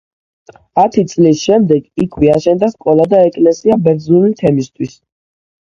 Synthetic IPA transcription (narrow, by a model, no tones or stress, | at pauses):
at̪ʰit̪sʼlisʃɛmd̪ɛɡikʰwɛaʃɛnd̪askʼɔlˠad̪aɛkʼlɛsiabɛɾd̪zulit̪ʰɛmist̪ʰwis